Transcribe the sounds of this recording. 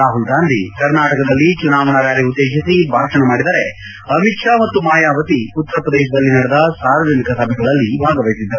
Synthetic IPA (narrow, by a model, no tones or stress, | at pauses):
aːɦulɡaːnd̪ʱikɐɾnaːʈɐkɐd̪ɐlːit͡ʃunaːʋɐɳɐɾaːɾiud̪ːeːʃisibʱaːɾʃɐnɐmaːɽid̪ɐɾe | ɐmiʈʂaːmɐt̪ːumaːjaːʋɐt̪iut̪ːɐɾɐpɾɐd̪ɛːʃɐd̪ɐlːinɐɽɛd̪ɐsaːɾɐd͡ʒɐnikɐsɐbʱɛɡɐɭɐlːibʱaːɡɐʋɐjsid̪ːɐɾ